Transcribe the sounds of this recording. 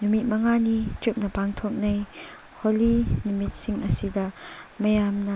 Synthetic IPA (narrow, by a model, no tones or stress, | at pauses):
numit̚mɐŋanit͡ʃup̚nɐpaŋt̪ʰɔk̚nɐj | holinumit̚siŋʔɐsid̪ɐmɐjamnɐ